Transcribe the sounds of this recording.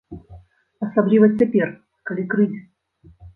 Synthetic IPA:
ɐsablʲivɐt͡sʲapʲer | kalʲikɾɨzʲ

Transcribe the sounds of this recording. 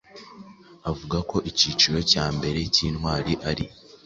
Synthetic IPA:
avuɡako̞ʔiciːt͡ʃiɾo̞caːmbe̞ɾe̞ciːnhwaːɾiʔaɾi

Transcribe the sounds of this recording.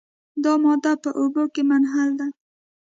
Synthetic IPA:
d̪ɑmɔd̪apəʔobokemanɦald̪a

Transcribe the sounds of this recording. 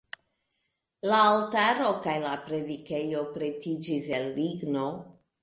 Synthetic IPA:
laːltaɾo̞kajlapɾe̞dike̞jo̞pɾe̞tid͡ʒise̞lːiɡno̞

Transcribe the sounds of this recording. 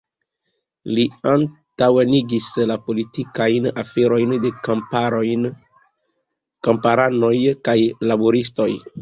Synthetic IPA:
liantaweniɡislapolitikajna̰feɾo̞jnde̞ | kampaɾano̞jkajlaboɾisto̞j

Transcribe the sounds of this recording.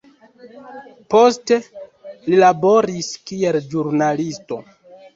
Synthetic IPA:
po̞ste̞lilabo̞ɾiskie̞ld͡ʒuɾnalisto̞̰

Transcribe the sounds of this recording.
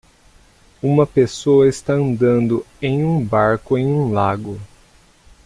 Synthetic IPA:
ũmɐpesoɐɪst̪aɐ̃nd̪ɐ̃nd̪ʊ | ẽj̃ũbaɾkʊẽj̃ũlaɡʊ

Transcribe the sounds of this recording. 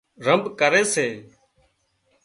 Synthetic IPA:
ɾəmbkəɾeːseː

